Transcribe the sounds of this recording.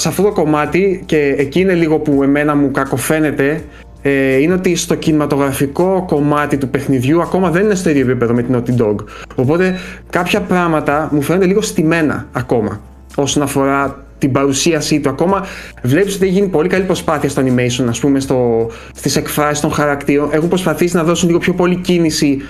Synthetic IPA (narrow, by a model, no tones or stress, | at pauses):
sɐft̪o̞t̪o̞ko̞mɐt̪ice̞ːciːne̞liɣo̞pue̞me̞nɐmukɐko̞fe̞ne̞t̪e̞ | eine̞ot̪ist̪o̞cinimɐt̪o̞ɣɾɐfiko̞ko̞mɐt̪it̪upe̞xniðʝuɐko̞mɐðe̞ninest̪o̞iðjoepipe̞ðo̞me̞t̪inot̪id̪o̞ɡo̞po̞t̪e̞kɐpçɐpɾɐmɐt̪ɐmufend̪eliɣost̪ime̞nɐ̰ːko̞mɐ̰ | o̞sonɐfo̞ɾɐ | t̪ibɐɾusiɐsit̪uɐko̞mɐvle̞pisot̪ieçʝinipo̞likɐlipɾo̞spɐθiɐst̪oɐnimejsonɐspume̞st̪o̞ | st̪ise̞kfɾɐsist̪o̞nxɐɾɐkt̪iɾo̞ne̞xumpɾo̞spɐθisinɐðo̞sunliɣopço̞po̞licinisi